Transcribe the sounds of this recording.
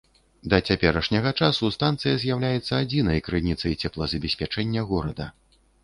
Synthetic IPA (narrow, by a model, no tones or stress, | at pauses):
d̪ɐt͡sʲapʲɛɾɐʂnʲɐɣɐt͡ʂasust̪ant̪sɨjɐzʲjawlʲajɛt̪sːɐad͡zʲinɐjkɾɨnʲit̪sɐjt͡sʲɛplˠɐzɐbʲɛsʲpʲat͡ʂɛnʲːɐɣɔɾɐd̪ɐ